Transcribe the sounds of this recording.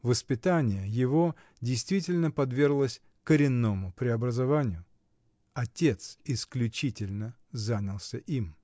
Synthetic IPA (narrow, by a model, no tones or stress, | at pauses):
vəspʲɪt̪anʲɪjəjɪvo | dʲɪjst̪vʲitʲɪlʲnəpɐd̪vʲe̞rɡlˠəsʲ | kəɾʲɪnːomʊpɾʲɪɐbɾəzɐvanʲɪjʊ | ɐtʲet̪sɪsklʲʉt͡ɕitʲɪlʲnə | zanʲɪlˠsʲəʔim